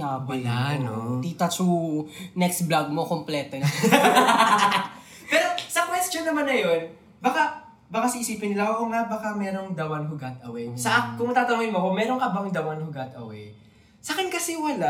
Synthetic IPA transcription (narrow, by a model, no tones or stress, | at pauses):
abɐlanot̪iːt̪ɐt͡ʃunɛksblaɡ̚mokomplɛːt̪o | pɛːɾo̞sɐkwɛst̪jo̞nːɐmanːɐjo̞n | baka | bɐkasiʔɪsiːpɪnːɪlaokoŋabɐkamɛːɾo̞ŋd̪ɐwɐnɦʊɡat̪̚ʔɐwɛjsɐʔakʊŋmɐt̪aːt̪ɐnuːɪnmoɐkomɛːɾo̞ŋʔɐbaŋd̪ɐwɐnhʊɡat̪ɐ̰wɛ̰j | sakɪnkɐsɛwɐla